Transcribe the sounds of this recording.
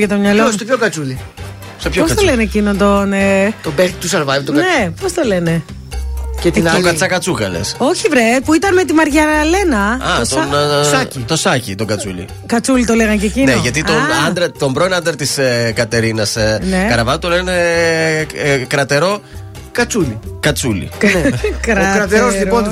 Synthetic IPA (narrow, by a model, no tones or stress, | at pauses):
ʝɐt̪omɲɐloost̪opçokɐt͡suli | spçoost̪olenecinot̪onet̪obeɾt̪̚t̪useɾvajvt̪onnepost̪ole̞ne̞ | cet̪nt̪okɐt͡sɐkɐt͡suɣɐ̰lḛso̞çivɾet̪puit̪ɐnme̞t̪imɐɾʝɐɾɐle̞nɐɐosnsit̪osɐcit̪oɡɐt͡sṵʎḭ | kɐt͡sulit̪o̞leɣɐncecineʝɐt̪it̪onɐnd̪ɾɐt̪o̞mbɾoinɐnd̪ɾɐt̪iskɐt̪e̞ɾinɐsneɐɾɐvɐvut̪oleɣɐne | kɾɐt̪e̞ɾo̞ | kɐt͡suʎikɐt͡sulḭnekɾɐkɾɐt̪eɾozliɾpo